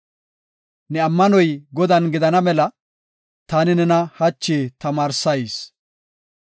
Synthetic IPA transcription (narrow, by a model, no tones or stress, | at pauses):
nɛɐmːɐnɔjɡɔd̪ɐnɡɪd̪ɐnɐmɛlɐ | t̪aːnɪnɛnɐhɐt͡ʃːeːt̪ɐmaːɾsɐjs